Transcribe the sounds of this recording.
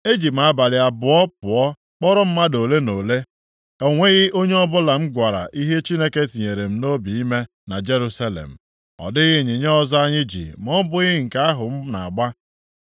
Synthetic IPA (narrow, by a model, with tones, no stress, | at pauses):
e˦d͡ʒi˨p̬m̩˦a˦ba˨lɪ˨a˨bʊ˨ɔ˦pʊ˨ɔ˦ | k͡pɔ˦ɾɔ˦m̩˦ma˦do˨le˦no˨le˦ | e˨ŋʷe˦ɣɪ˦ʔo˦ɲe˦ɔ˦bʊ˦la˨m̩˦ɡʷa˨ɾa̰˨ʔi˦ɦe˦t͡ʃi˦ne˦ke˦ti˨ɲe˨ɾe˨m̩˦no˦bi˨i˦me˦ | na˨d͡ʒe˦ɾu˦sa˦lḛ˨m̩˨ | ɔ̰˨dɪ˦ɣɪ˦˨ɲi˨ɲe˦ɔ˦za˦ɲɪ˦d͡ʒḭ˨m˦ɔ˦bʊ˦ɣɪ˦ŋ̩˨ka˦a˦ɦʊ˨m̩˦na̰˨ɡ͡ba˦